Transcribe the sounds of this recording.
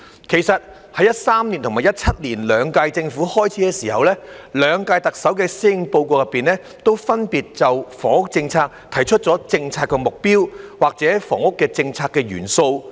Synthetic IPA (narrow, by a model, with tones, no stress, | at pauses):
kʰe˨˩jsɐ˨t̚ | hɐ˨˥jɐ˥t̚saː˥mni˨˩nt̪ʊ˨˩ŋmaː˨˩jɐ˥t̚t͡sʰɐ˥t̚liː˨˩nlœː˨˧ŋkaː˧jt͡sɪ˧ŋfu˨˥hɔː˥jt͡sʰiː˨˥kɛː˧siː˨˩hɐ˨wlɛː˥lœː˨˧ŋkaː˧jt̪ɐ˨k̚sɐ˨˥wkɛː˧siː˥ɪ˧ŋpo˧wkoː˧jɐ˨pːiː˨nlɛː˥ | t̪o˥wfɐ˥npiː˨t̚t͡sɐ˨wfɔː˨˩ŋʊ˥k̚t͡sɪ˧ŋt͡sʰaː˧k̚t̪ʰɐ˨˩jt͡ʃʰɵ˥t̚t͡ʃɔː˨˥t͡sɪ˧ŋt͡sʰaː˧˥kːɛː˧mʊ˨k̚piː˥wwaː˨˩k̚t͡sɛː˨˥fɔː˨˩ŋʊ˥kːɛː˧t͡sɪ˧ŋt͡sʰaː˧kːɛː˧ɥy̰ː˨˩nso˧w